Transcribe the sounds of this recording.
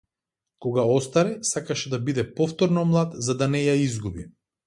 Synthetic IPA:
kɔɡaɔst̪aɾɛsakaʃɛd̪abid̪ɛpɔft̪ɔɾnɔmlˠat̪zad̪anɛjaizɡubi

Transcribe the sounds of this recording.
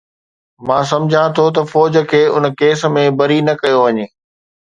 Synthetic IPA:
mãːs̬ɐ̃md͡ʑʱãt̪ʰot̪̬ɐfɔːd͡ʑə̆kʰeːʊnkeːs̆mẽbɐɾinɐkɐjoʋɐɲeː

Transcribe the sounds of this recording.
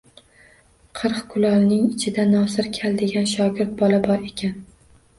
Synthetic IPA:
qʰɨɾqkʰʊlˠɒlˠnɪŋɪt͡ʃʰɪd̪anɒsɪɾkʲʰald̪eɡʲanʃ̬ɒɡʲɪɾt̪̚bɒlabɒɾe̞kʲan

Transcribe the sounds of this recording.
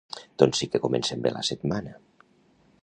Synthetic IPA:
d̪̥onsikekomḛnsembḛlʔa̰set̪mana

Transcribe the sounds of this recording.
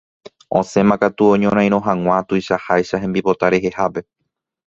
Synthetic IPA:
õ̞̰sẽ̞mãkat̪uõɲõɾ̃ãj̃ɾ̃õ̞ɦãŋw̃ʷãt̪ujʃahajʃaɦembipo̞t̪aɾe̞ɦe̞hape̞

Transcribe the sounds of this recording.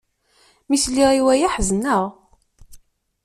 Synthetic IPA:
mislːiʁiwæjaħznəʁ

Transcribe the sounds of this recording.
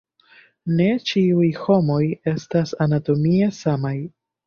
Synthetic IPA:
ne̞t͡ʃiujho̞mo̞je̞stasanato̞mie̞samaj

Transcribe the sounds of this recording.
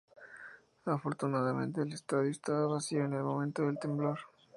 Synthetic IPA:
afo̞ɾt̪unaðamẽ̞̰nt̪eːlest̪aðjoest̪aβaβasioene̞lmo̞mẽ̞nt̪oðe̞lt̪e̞mbloɾ

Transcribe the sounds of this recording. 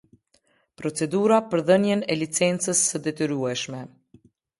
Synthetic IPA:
pɾɔt͡sɛd̪uɾapəɾðənjɛnɛlit͡sɛnt͡səsːəd̪ɛt̪ɛɾuɛʃmɛ

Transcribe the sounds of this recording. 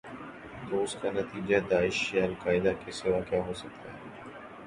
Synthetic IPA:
t̪oʊskanɐt̪iːd͡ʒad̪aːɪʃjaɐlqaːɪd̪akesɪʋakjaɦoːsɐk̚t̪aɦɛː

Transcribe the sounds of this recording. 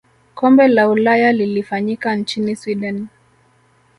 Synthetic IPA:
kɔmbɛlaulajalilifaɲikant͡ʃiniswiɗɛn

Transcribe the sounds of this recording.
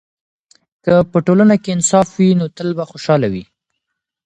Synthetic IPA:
kəpəʈolanakeɪnsɑfwinot̪əlbaxoʃɑlawi

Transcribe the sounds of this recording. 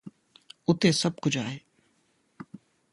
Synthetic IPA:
ʊt̪eːsəb̚kʊd͡ʒʱaːeː

